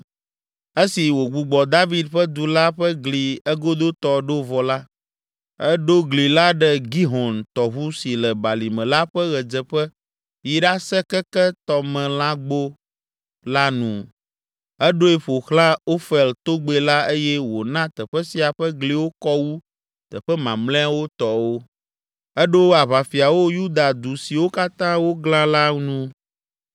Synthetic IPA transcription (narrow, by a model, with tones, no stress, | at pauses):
e˦si˨wo˨ɡ͡bu˨ɡ͡bɔ˨d̪a˦vi˦d̪ɸɛ˦d̪u˨la˦ɸɛ˦ɡli˨ɛ˦ɡo˦d̪o˦t̪ɔ˦ɖo˦vɔ˨la˦ | ɛ˦ɖo˦ɡli˨la˦ɖɛ˦ɡi˦ɦɔ˨nt̪ɔ˨βu˦si˨lɛ˨ba˨li˨mɛ̃˨la˦ɸɛ˦ɣɛ˨d͡zɛ˨ɸɛ˦ | ji˦ɖa˦sɛ˦kɛ˦kɛ˦t̪ɔ˨mɛ̃˨lã˦ɡ͡bo˦ | la˦nũ˨ | ɛ˦ɖo˦e˦˨ɸo˨xlã˦o˦fɛ˨lt̪o˦ɡ͡be˨la˦e˦jɛ˦wo˨nã˦t̪ɛ˨ɸɛ˦si˨a˨ɸɛ˦ɡle˦wo˦kɔ˦wu˦ | t̪ɛ˨ɸɛ˦mã˨mlɛ̃˦a˦wo˦t̪ɔ˨wo˦ | ɛ˦ɖo˦a˨βa˨fi˨a˨wo˦ju˦d̪a˨d̪u˨si˨wo˦ka˦t̪ã˦wo˦ɡlã˦la˦nũ˦